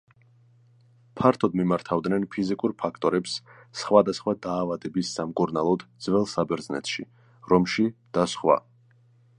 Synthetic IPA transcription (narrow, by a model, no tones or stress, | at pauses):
pʰaɾt̪ʰɔd̪mimaɾt̪ʰavd̪nɛnpʰizikʼuɾpʰakʰt̪ʼɔɾɛpssχwad̪asχwad̪aːvad̪ɛbisːamkʼuɾnalˠɔd̪d̪z̥vɛlˠsabɛɾdznɛ̰t̪ʰʃi | ɾɔmʃid̪̥asχwa̰